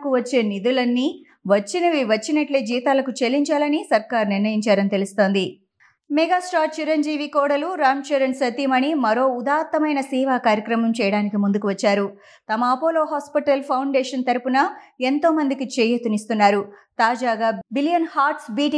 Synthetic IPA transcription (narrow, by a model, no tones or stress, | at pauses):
kuʋɐt͡ʃːe̞ːnid̪ulɐnːi | ʋɐt͡ʃːinɐʋiʋɐt͡ʃːinɐʈleːd͡ʒiːt̪aːlɐkut͡ʃelːiɲt͡ʃaːlɐnisɐɾkaːɾniɾnɐjiɲt͡ʃaːɾɐnit̪elust̪o̞ːnd̪i | mɛɡaːsʈaːɾt͡ʃiɾɐɲd͡ʒiːʋikɔːɽɐluɾaːmt͡ʃɐɾɐnsɐt̪iːmɐnimɐɾo̞ːud̪aːt̪ːɐmɐjnɐsiːʋaːkaːɾjɐkɾɐmɐmt͡ʃɛːjɐɽaːnikimund̪ukuʋɐt͡ʃːaːɾu | t̪ɐmɐːpoːloːɦaːspiʈɐlpʰɐwɳɖeːʂɐnt̪ɐɾupunɐent̪o̞ːmɐnd̪ikit͡ʃejut̪unist̪unːaːɾut̪aːd͡ʒaːɡaːbiljɐnhaːɾʈsbiːʈi